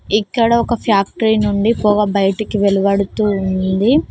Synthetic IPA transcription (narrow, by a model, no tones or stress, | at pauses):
ikːɐɽɐɔkɐpʰjaːk̚ʈɐɾinuɳɖipɔːɡɐbɐjɐʈɐkiʋeluʋɐɽut̪uːunnd̪i